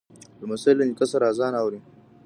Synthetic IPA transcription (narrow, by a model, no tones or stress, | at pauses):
mɐsɐlɪŋkʼɐsɐɾaːzaːnawɽiŋ